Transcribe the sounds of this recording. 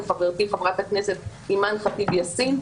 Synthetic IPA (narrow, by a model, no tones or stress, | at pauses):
χaveʁt̪iχavʁat̪hakneset̪̚ | imanχat̪ibjasin